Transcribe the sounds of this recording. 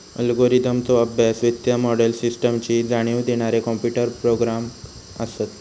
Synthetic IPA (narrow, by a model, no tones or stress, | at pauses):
ə̰lɡoɾid̪əmt͡s̪ɔəbʱjasʋit̪jəmɔɽəlsisʈəmt͡ɕiːd͡zaɽ̃iʋd̪eɽ̃aɾekɔmpjuʈəɾpɾoɡɾam | əsət̪